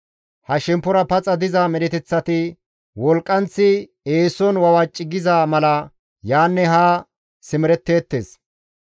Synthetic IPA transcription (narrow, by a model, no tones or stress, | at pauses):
hɐʃɛmpːʊɾɐpɐt͡sʼɐd̪ɪzɐmɛɾɛt̪ɛt͡sːɐt̪ɪ | wɔlkʼːɐnt͡sːɪ | eːsɔnwɐwɐt͡ʃʼːɪɡɪzamɐlɐ | jaːnːɛɦaː | sɪmɪɾɛt̪ːe̞ːt̪ːḛːs